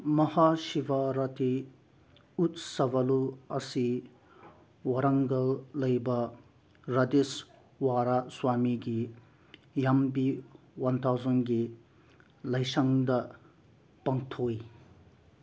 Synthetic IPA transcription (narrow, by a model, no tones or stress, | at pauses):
mɐhasibaɾɐt̪ʰi | ut̪sɐbɐluɐsi | wɐɾɐŋɡɐllɐjbɐ | ɾɐd̪es | waɾaswamiɡi | jambi | wɐnt̪ʰawzɐnɡi | lɐjsɐŋd̪ɐ | pɐŋt̪ʰoj